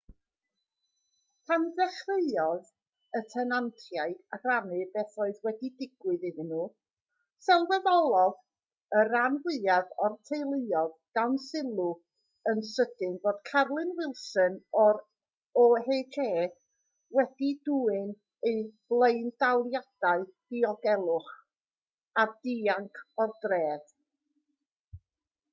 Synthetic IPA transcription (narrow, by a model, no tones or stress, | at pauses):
pʰanðɛχreɨɔð | ətʰɛnantʰjaɨdaɡ̥ranɨbɛθɔɨðwɛdidɪɡwɨðɪðɪnuː | sɛlˠvɛðɔlˠɔð | əɾanwɪðaðɔrtʰejlˠeɨɔðɡ̥awnsɪlˠu | ənsədɪnvoːd̥kʰarlˠɨnwɪlˠsɨnɔɾ | ɔɦeːkʰeː | wɛd̥iduːɨn | eɨb̥lˠeɨnd̥awlˠjad̥aɨd̥iɔɡɛlˠʊχ | ad̥iaŋkʰɔrdreːd̥